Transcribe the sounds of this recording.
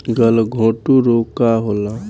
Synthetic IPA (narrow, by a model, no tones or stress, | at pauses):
ɡəlɡʱõːʈuɾoːkaɦoːla